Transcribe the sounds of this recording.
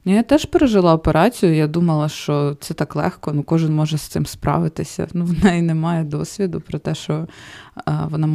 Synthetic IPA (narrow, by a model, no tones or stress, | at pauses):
nijat̪ɛʃpeɾeʒɪlˠɑɔpeɾʔɑt͡sʲijʊjad̪umɐlˠɐʃt͡ʃɔt̪sɛt̪ɑklˠɛ̰xkɔnukɔʒɪnmɔʒɛst̪sɪmspɾɑ̰ʋɪt̪ɪsʲɐ̰nuʋnɑinɛmɑjɛd̪ɔsʲʋʲid̪ʊpɾɔt̪ɛʃt͡ʃɔ | ʋɔnɑm